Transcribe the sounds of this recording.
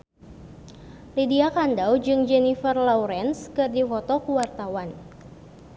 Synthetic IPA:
lidiakandawd͡ʒɨŋd͡ʒɛnifərlawɾɛnskɨrdifɔt̪ɔkuwart̪awan

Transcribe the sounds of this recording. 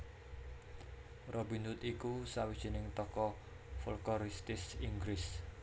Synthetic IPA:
rʔɔbinʊt̪ikusawid̥ʒ̥i̤nɪŋt̪ɔkɔ | fulkɔɾist̪ɪsiŋɡɾɪs

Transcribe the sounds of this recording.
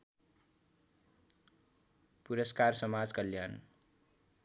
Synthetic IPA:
puɾʌskarsʌmad͡zkʌljan

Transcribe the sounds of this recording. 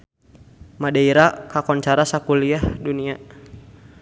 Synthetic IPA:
madaiɾakakɔnt͡ʃaɾasakuliahdunia

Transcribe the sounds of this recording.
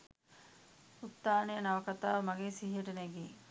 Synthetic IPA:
ut̪ːaːnejənɐʋɐkɐt̪aːʋɐmɐɡeːsiɦiəʈəneɡeː

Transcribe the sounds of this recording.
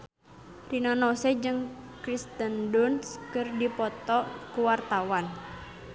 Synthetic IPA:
rinanɔsɛd͡ʒɨŋkɾist̪əndɔnskɨrdipɔt̪ɔkuwart̪awan

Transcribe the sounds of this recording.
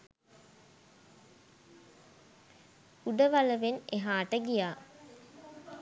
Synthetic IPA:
uɖəʋaləʋeneɦaːʈəɡijaː

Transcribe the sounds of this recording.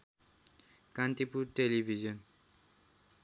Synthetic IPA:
kant̪ipuʈelibʱid͡ʒʌn

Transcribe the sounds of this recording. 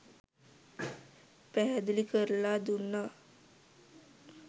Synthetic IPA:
pɛɦɛd̪əlikəɾlad̪unːa

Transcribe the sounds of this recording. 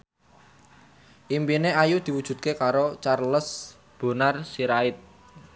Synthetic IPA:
ʔimpineajud̪̥i̤wud̥ʒ̥ṳd̪̚kekaɾot͡ʃarləs | b̥o̤narsiɾaɪt̪̚

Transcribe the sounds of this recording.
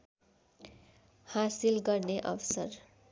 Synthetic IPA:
hasilɡʌrneʔʌ̰bsʌr

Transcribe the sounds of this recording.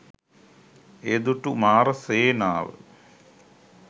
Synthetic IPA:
ed̪uʈumaːɾəseːnaːʋə̰

